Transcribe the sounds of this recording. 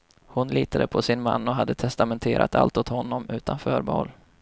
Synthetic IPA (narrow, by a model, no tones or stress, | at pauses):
hʊnliːt̪ad̪əpʰɔsɪnma̰nːɔɦad̪ːət̪ʰɛst̪amɛnt̪ʰeːɾʔa̰t̪a̰lt̪ʊt̪hɔnːɔmʉ̟ːt̪ʰanfœːɾbɑɔl